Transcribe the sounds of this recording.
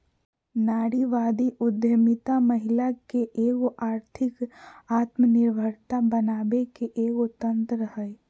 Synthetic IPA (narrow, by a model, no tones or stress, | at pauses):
naːɽiʋaːd̪iʔʊd̪jəmɪt̪aməɦɪlakeʔeːkoʔaːɾt̪ʰɪkaːt̪mənɪɾbʱəɾt̪abənaːbekeʔeːkot̪ə̃nt̪ɾəhəe